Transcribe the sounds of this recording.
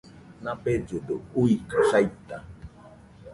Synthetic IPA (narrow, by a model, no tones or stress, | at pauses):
nãped͡ʒod̪ouikaɬajt̪a